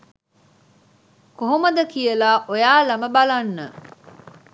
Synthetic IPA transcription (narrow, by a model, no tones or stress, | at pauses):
koɦoməd̪əkijəlaːʔojaːlɐməbalɐnːə